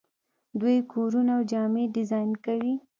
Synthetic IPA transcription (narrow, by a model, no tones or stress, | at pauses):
d̪wujkʰoɾunaawd͡ʒɑmeɖɪzɑjnkawi